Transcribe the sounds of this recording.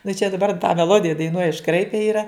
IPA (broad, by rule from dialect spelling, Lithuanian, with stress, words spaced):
nʊ t͡ʃʲɛ dɐˈbɐr tɑː mʲɛˈlˠoːdʲɪjɛ dɐɪˈnuɔj ɪʃˈkrɐɪpʲɛ ˈiːrɐ